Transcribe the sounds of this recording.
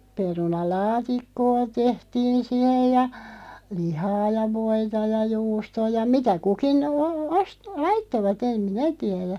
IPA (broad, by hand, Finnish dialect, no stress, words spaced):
perunɑlɑːtikːoː tehtiːn̞ sihej jɑ lihɑː jɑ ʋoitɑ jɑ juːstoː jɑ mitæ kukin oː os lɑitːoʋɑt em minæ tiɛɾæ